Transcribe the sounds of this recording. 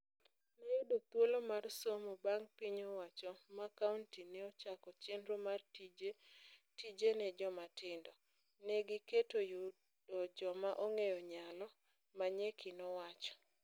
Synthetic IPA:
nɛjudot̪wolomarsomobaŋpiɲowat͡ʃɔmakauntinɛot͡ʃakɔt͡ʃendɾomaretid͡ʒenɛd͡ʒɔmatɪndɔ | nɛɡɪketoju | dɔd͡ʒɔmaʔoŋejɔɲalɔ | maɲekʰɪnɔwat͡ʃɔ̥

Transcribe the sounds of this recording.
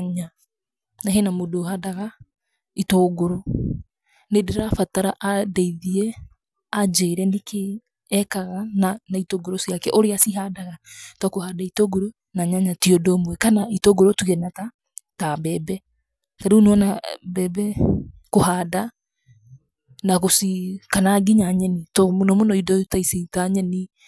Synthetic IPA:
ɲa | naɦenamodoːhadaɣa | itoːɡoɾo | nedeɾafataɾaʔadɛiðiɛ | ad͡ʑeːɾɛnekeː | kaɣananaitoɡoɾosjakɛʔoɾeasiɦadaɣatwakohadaitoɡoɾo | naɲaɲatiodɔmwɛkanaitoɡoɾotuɣɛnata | tabɛbɛ | taɾeunɔnabɛbɛkohaːda | naɣosikanaɡiɲaɲɛnitɔmonɔmonɔidɔtaisitaɲɛni

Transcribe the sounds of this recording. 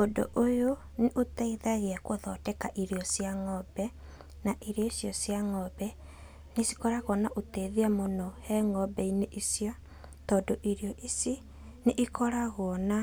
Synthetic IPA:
ondo̰ʔojo | neʔotɛiðaɣeakoðɔtɛkaʔiɾiɔsjaŋɔbɛ | naʔiɾijoisjɔsjaŋɔbɛ | nesi̥kɔɾaɣɔnaʔoteːðiamonohɛŋɔbɛineʔisjo | tɔːndoʔiɾjɔʔisi | neʔikɔɾaɣoɔna

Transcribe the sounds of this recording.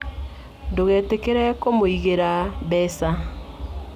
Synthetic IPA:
doɣɛːtekeɾɛkomoiɣeɾaβɛːsa

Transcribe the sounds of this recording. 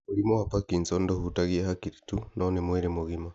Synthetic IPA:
oɾimohapakinsɔndohutaɣiahakiɾitunʔɔnemweɾemoɣima

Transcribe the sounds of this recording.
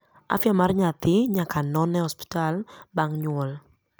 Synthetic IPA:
a̰fjamarɲat̪ɪɲakanɔnɛhɔspi̥talbaŋɲwɔl

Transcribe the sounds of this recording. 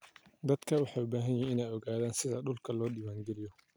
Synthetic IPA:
d̪ɐd̪̥kʰɐwɑħɑːʊbaːɦɐnjɛɪnaːjɔɣaːðaːnsɪðɐɗʊlkʰɐlɔːɗɪwaːŋɡɛlɪjɔ

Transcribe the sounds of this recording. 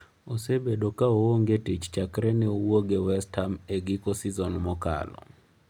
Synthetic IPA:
osebedokaowoŋɡetit͡ʃt͡ʃakɾɛnɛowoɡewɛstʰameɡikɔsizɔnmɔka̰lɔ̰

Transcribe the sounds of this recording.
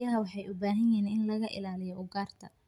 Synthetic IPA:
ɐɦɐwɑħɑjʊbaːɦɐjɛːnɪnlɐɣɐʔɪ̰laːlɪjɔʔʊɡaːrt̪ʰɐ

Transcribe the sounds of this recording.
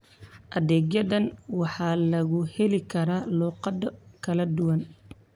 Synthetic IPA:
ʔɐðɛːɡjɐðɐnwɑħɑːlɐɣʊhɛlɪkʰɐɾaːluːqɑd̪ɐkʰɐlɐd̪ʊwɐn

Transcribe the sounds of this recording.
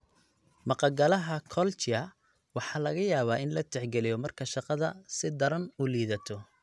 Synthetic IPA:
mɑqɑɡɐlɐɦɐkʰɔlt͡ʃɪɐ | wɑħɑːlɐɣɐjaːβaːɪnlɐt̪ʰɛħɡɛlɪjɔmɐrkʰɐʃɑqɑðɐ̰sɪd̪ɐɾɐnuːliːðɐt̪ʰɔ

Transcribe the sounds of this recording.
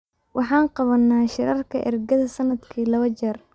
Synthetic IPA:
wʔɑħɑːnqɑβɐnːaːʃɪɾɐrkʰɐʔɛ̰rɡɐðɐsɐnːɐd̪kʰiːlɐβɐt͡ʃɐr

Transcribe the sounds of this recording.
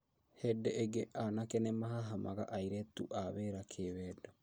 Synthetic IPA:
hɛdɛʔeɡeʔanakɛnemaɦaɦama̰ɣa̰ʔaiɾɛtṵʔaβeɾakʰeβɛdɔ

